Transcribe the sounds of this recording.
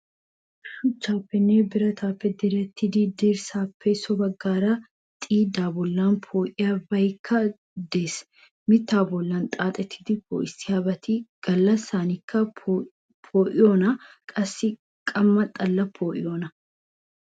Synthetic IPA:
ʃʊt͡ʃːaːpːɛnːeːbɪɾɐt̪ʰaːpːɛd̪ɪɾɛt̪ːɪd̪id̪iɾsaːpːɛsɔbɐɡːaːɾɐ | t̪ʼiːd̪aːbɔlːaːnpʰoːʔɪjɐbɐjkʰːɐ | d̪eːs | mɪt̪ːaːbɔlːant̪ʼaːt̪ʼɛt̪ʰːɪ̥d̪ɪpo̰ːʔɪsɪhɐbɐt̪iɡ̥ɐlːɐsaːnɪkːɐ | pʰoːʔɪjoːnɐ | kʼɐsːɪ | kʼɐmːɐt̪ʼɐlːɐpʰoːʔɪ̰joːnɐ

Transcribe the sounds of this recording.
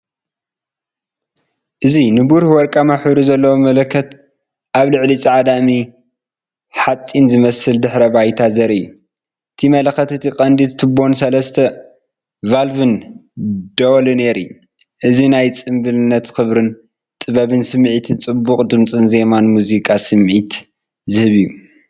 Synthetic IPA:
ʔɨzinɨbuɾhwɔɾkʼamaħβɾuzɐlːɐwomɐlɐkʰːɐt̪ | ʔaβlɨʕlit͡sʼiʕad̪ami | ħat͡sʼːinzɨmɐsɨld̪ɨħɾɐbajt̪ʰazɐɾɨjːu | ʔɨt̪ʰimɐlɐxɐt̪ɨt̪ʰikʼɐnd̪it̪t̪ʰːɨbo̞nsɐlɐst̪ʰɐ | valvɨn | d̪̥owlɨne̞ɾiju | ʔɨzinajt͡sʼɨmbɨlɨnːɐt̪xɨβɾɨn | t̪ʼɨβɐβɨnsɨmʕit̪ʰɨnt͡sʼɨbːukʼd̪ɨmt͡sʼɨnze̞manmuzikʼasɨmʕit̪ | zɨhɨβiju

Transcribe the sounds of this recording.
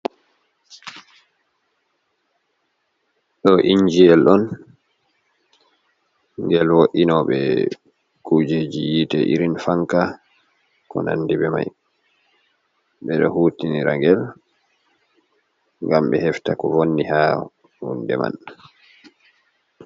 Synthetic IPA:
ɗɔʔiɲd͡ʒiɛlɗɔn | ŋɡɛlwoʔinɔɓɛ̰ | kud͡ʒed͡ʒijitɛʔḭɾinfaŋka | kɔna̰nːdibɛma̰j | ɓɛɗɔɦuːtiniɾaŋɡɛl | ŋɡamɓɛ̰hɛftakɔvonːiha | hṵndɛma̰n

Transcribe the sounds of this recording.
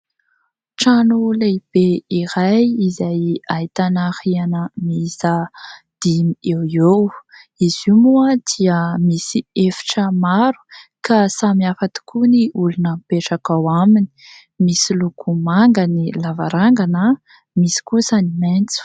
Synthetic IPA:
ʈ͡ʂanuleb̥eiɾajizajait̪anahianəmisa | d̪̥imiewewizimuəd̪̥iəmisiefi̥ʈ͡ʂəmaɾu̥kasamiafat̪i̥kʰuniʔulunəmpeʈ͡ʂakawamini̥ | misilukʰumaŋɡənilava̰ɾaŋɡanə | misi̥kusəniment͡su̥

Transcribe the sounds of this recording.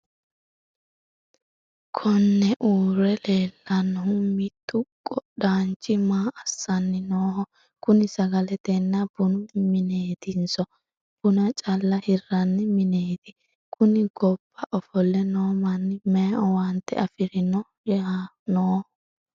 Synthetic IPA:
kʰɔnːɛʔuːɾɛleːlːɐnːhʊmɪt̪ːʊkʼɔɗaːnt͡ʃːɪmaːʔɐsːɐnːɪnoːhɔ | kʊnɪsɐɡɐlɛt̪ɛnːɐb̥ʊnʊmɪne̞ːt̪ɪnsɔ | b̥ʊnɐt͡ʃʼɐlːɐhɪrːɐnːɪmɪneːt̪ɪ | kʰʊnɪɡɔbːɐʔɔfɔlːɛnoːmɐnːɪmɛɔwɐnt̪ːɛ̰ɐfɪɾɪnɔ | ja | noːhɔ

